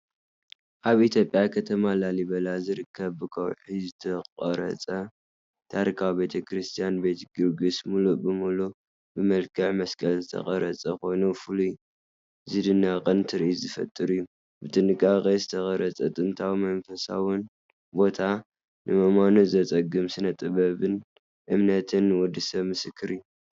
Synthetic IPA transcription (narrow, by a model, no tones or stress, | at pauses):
ʔaβʔit̪ʰjo̞pʼːjakʰɐt̪ʰɐmalalibɐlazɨɾɨkʰːɐβːɨkʰɐ̰wħizɨt̪ʰɐqʼɐɾɐ̰t͡sʼɐ | t̪ʰaɾikʰawbe̞t̪ʰɐkʰɾɨst̪ʰijanbe̞t̪ɡɨɾɡɨsmulubɨmulu | bɨmɐlkʰɐʕmɐskʰʼɐlzɨt̪ʰɐ̰χʼɐɾɐt͡sʼɐko̞jnufɨluj | zɨd̪ɨnːakʼɨnt̪ʰɨɾʔizɨfɐ̰t̪ʼɨɾɨjːu | bɨt̪ʼɨnɨkʼːakʼezɨt̪ʰɐkʼɐɾɐt͡sʼɐt̪ʼɨnt̪ʰawmɐnfɐsa̰wɨn | bo̞t̪ʰa | nʔɨmɐmanuzɐt͡sʼɐɡɨmsɨnɐt̪ʼɨβɐβɨn | ʔɨmnɐt̪ʰɨnwɔd̪ɨsɐβmɨsɨkʰːɨɾɨjːu